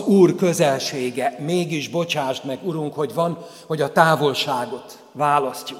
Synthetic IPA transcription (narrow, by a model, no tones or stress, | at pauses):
uːrkø̞zɛlʃeːɡɛmeːɡiʒbo̞t͡ʃaːʃt̪mɛɡuɾuŋkho̞ɟvɒn | ho̞ɟɒt̪aːvo̞lʃaːɡo̞t̪ | vaːlɒscuk